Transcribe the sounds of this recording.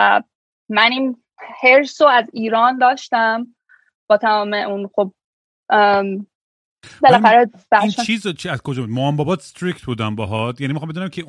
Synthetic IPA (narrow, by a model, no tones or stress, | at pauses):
mænin | heɾsoæziːɾɒːnd̪ɒːʃt̪æm | b̥ɒːt̪ʰæmɒːmeʔunxob̚ | belæxæɾe | b̥æʃt͡ʃʰiːzt͡ʃʰiæz̥kʰod͡ʒɒːbud̪̚moɒmbɒːbɒːt̪st̪ɾikt̪̚buːd̪æmbɒɦɒt̪jænimiɑmbed̪unæmkʰe